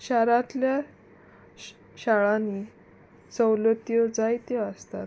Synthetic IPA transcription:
ɕaɾat̪lja | ɕaɭani | səwlət̪jɔd͡zajt̪eəst̪at̪

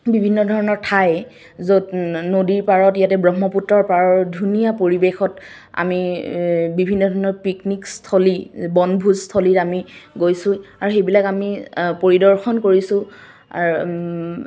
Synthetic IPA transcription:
bibʱinːɔdʱɔɹɔnɔɹtʰaj | zotnodiɹpaɹɔtijatɛbɹɔɦmːɔputɹɔɹpaɹɔɹdʱunijapoɹibexɔt | a̰mi | bibʱinːɔdʱɔɹɔnɔɹpiknikstʰolibɔnbʱuzstʰolitamiɡojsʊ̃aɹuxejbilakamipoɹidɔɹxɔnkoɹisʊ̰̃

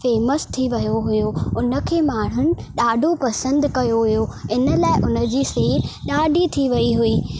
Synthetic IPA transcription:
feːməst̪ʰiʋɐjoɦʊjoʊnə̆kʰeːmaːɽ̤ʊnɪ̆ɗaːɖʱopɐsə̃nd̪kɐjoɦʊjoɪnə̆laːɪʔʊnə̆d͡ʑiːseːɗaːɖʱit̪ʰiʋɐiɦʊiː

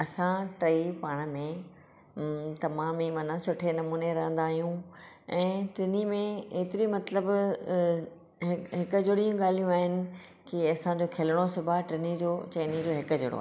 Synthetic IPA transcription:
ɐsãʈɾɐipaːɽ̃mẽ | t̪ɐmaːmimɐnasʊʈʰenɐmuːneɾɐɦə̃nd̪aːɦijũ | ɛ̃ːʈɾɪnimẽeːt̪ɪɾimɐt̪ləb | ɦɦɪkʊd͡ʑɪɽijũɠaːl̤ijũaːɦɪnɪ̆ | kiɐsãd͡ʑoːkʰeləɽ̃osʊbʱaʈɾɪnid͡ʑoːt͡ɕeːnid͡ʑoːɦɪkʊd͡ʑʊɽo̰a̰ː

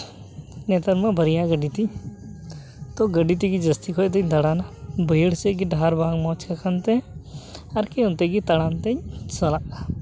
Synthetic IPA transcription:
nɛt̪əɾmabʱəɾijãɡəɖit̪iɲ | t̪ɔɡəɖit̪̬iɡid͡ʒɐst̪ikʰɔjt̪̬ɛɲd̪aɽanabəjɽsɛɡiɖaɾbʱaŋmɔ̃t͡ʃkakʰənt̪ɛ | aɾkiɔnt̪ɛɡit̪ɐɽant̪ɛɲsɐlaʔa

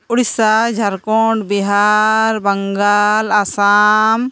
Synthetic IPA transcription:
uɽisad͡ʒʱaɾkɔɳɖbiɦaɾbɐŋɡalasam

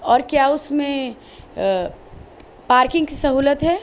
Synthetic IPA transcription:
ɔːɾkjaʊsmẽ | paːɾkɪ̃ŋɡkisɐɦuːlət̪ɦɛ

